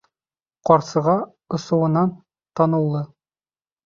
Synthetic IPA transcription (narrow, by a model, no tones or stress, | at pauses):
qɒɾsɤ̆ʁɑ | ŏsɤ̆wɤ̆nɑn | t̪ɑnɤ̆lˠːɤ